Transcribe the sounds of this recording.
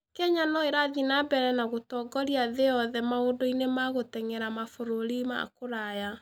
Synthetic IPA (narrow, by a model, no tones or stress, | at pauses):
kɛɲanɔeɾaðinabɛɾɛnaɣotɔɡɔɾiaðeɔðɛmaodoinemaɣotɛŋɛɾamafoɾoɾima̰koɾaja